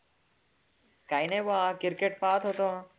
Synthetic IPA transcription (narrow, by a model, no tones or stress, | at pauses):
kaːineʋaːkɪɾkeʈ̚paːt̪ɦot̪õ